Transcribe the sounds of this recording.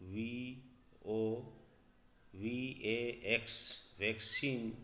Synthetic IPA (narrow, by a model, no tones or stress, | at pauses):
ʋi | o | ʋieeksʋeksin